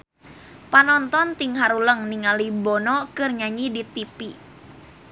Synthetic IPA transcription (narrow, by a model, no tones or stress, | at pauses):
panɔnt̪ɔnt̪iŋɦaɾuləŋniŋalibɔnɔkɨrɲaɲidit̪ipi